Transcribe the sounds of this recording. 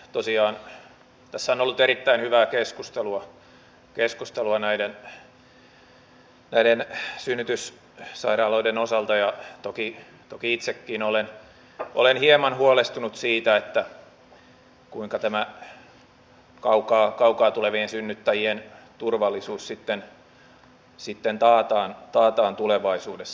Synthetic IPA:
t̪osiɑːn | t̪æsːæonolːut̪eɾit̪ːæinhyʋæːkeskust̪eluɑ | keskust̪eluɑnæiden | næidensynːyt̪ys | sɑiɾɑːloidenosɑlt̪ɑjɑt̪oki | t̪okiit̪sekːiːnolen | ʔo̰lenhiemɑnhuolest̪unut̪siːt̪æet̪ːæ | kuiŋkɑt̪æmæ | kɑukɑːkɑukɑːt̪uleʋiensynːyt̪ːæjien | t̪urʋɑlːˑisuːssit̪ːen | sit̪ːent̪ɑːt̪ɑːnt̪ɑːt̪ɑːnt̪uleʋɑisuːdes

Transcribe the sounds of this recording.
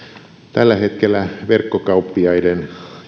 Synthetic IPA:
t̪ælːæhet̪kelːæʋerkːokɑupːiɑiden

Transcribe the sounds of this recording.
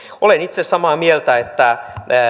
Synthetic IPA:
olenit̪sessɑmɑːmielt̪æet̪ːæ

